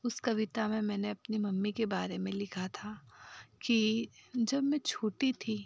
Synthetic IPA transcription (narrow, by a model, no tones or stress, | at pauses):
ʊskɐʋɪt̪amẽmɛ̃ːneɐpnimɐmːikebaːɾemẽlɪkʰat̪ʰakid͡ʒɐbmɛ̃t͡ʃʰoːʈit̪ʰi